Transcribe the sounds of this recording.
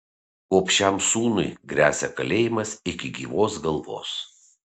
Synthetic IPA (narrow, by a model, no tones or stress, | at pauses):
oɔpʲʃʲɛmsuːnʊɪɡɾʲæːsʲɛkɐlʲeːjɪmɐsɪkʲɪɡʲiːʋoːsɡɐlˠʋo̰ːs